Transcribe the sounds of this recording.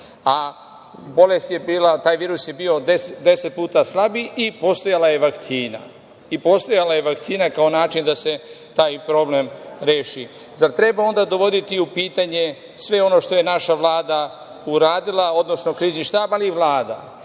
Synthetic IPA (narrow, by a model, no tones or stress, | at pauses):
a | bo̞le̞st̪je̞biːlat̪aːjʋiːɾusje̞biːo̞d̪esed̪e̞set̪̚puːt̪aslˠabiʔipo̞st̪o̞jalaje̞ʋakt̪siːna̰ | ipo̞st̪o̞jalaje̞ʋakt̪siːnakaonaːt͡ʃind̪ase̞ | t̪aːjpɾo̞ble̞mɾeːʃi | zaɾt̪ɾe̞bao̞nd̪ad̪o̞ʋo̞d̪it̪iupiːt̪aɲe̞ | sʋe̞o̞no̞ʃt̪o̞je̞naʃaʋlaːd̪a | uɾaːd̪ilˠao̞d̪no̞sno̞kɾiːzniʃt̪aːbaliːʋlaːd̪a̰